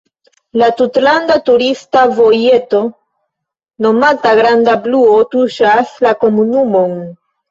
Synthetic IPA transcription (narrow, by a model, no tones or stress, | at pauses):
latutlandatuɾistavo̞je̞to̞ | no̞mataɡɾandabluo̞tuʃaslako̞munumo̞n